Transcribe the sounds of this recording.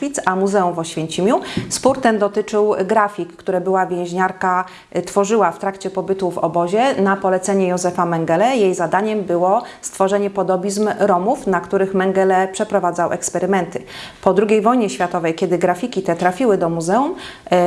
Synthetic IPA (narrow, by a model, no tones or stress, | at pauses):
it̪samuzɛumvɔɕfʲjeɲt͡ɕimʲjuspuɾt̪ɛmd̪ɔt̪ɘt͡ʂɘwɡɾafʲikːt̪uɾɛbɘwavʲjɛ̃w̃ʑɲaɾka | t̪fɔʐɘwaft̪ɾakt͡ɕɛpɔbɘt̪uvɔ̰bɔʑɛnapɔlɛt̪sɛɲɛjɔzɛfamɛŋɡɛlɛjejzad̪aɲɛmbɘwɔst̪fɔʐɛɲɛpɔd̪ɔbʲizmɾɔmufnakt̪uɾɘxmɛŋɡɛlɛpʂɛpɾɔvad̪zawʔɛ̰kspɛɾɘmɛnt̪ɘ | pɔd̪ɾuɡʲejvɔjɲɛɕfʲjat̪ɔvɛjkʲɛd̪ɘɡɾafʲikʲit̪ɛt̪ɾafʲiwɘd̪ɔmuzɛum